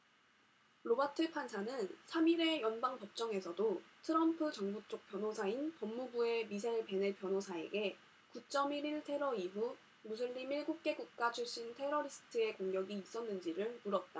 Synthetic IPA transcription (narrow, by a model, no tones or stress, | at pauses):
ɾobatʰɯpʰansʰanɯnsʰamiɾe̞jʌnbaŋpʌp̚t͡ɕ͈ʌŋe̞sʰʌdotʰɯɾʌmpʰɯt͡ɕʌŋbut͡ɕ͈ok̚p͈jʌnɦosʰainpʌmːubue̞misʰaiɭpe̞nepʰjʌnɦosʰae̞̰ɡe̞ | kut͡ɕ͈ʌmiɾiɭtʰe̞ɾʌiɦu | mus̬ʰɯɭːimiɭɡuk̚k͈e̞ɡuk̚k͈at͡ɕʰuɭɕ͈intʰe̞ɾʌɾisʰɯ̥tʰɯe̞koŋɡjʌɡiːs͈ʌnːɯnd͡ʑiɾɯɭmuɾʌt̚t͈a